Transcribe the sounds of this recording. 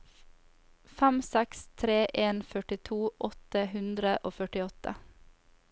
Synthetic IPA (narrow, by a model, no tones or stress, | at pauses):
fæmsɛkst̪ʰɾeːʔeːnfœʈɪt̪ʰuːʔɔt̪əhʉnd̪ɾəʔoːfœʈɪɔt̪ʰə̰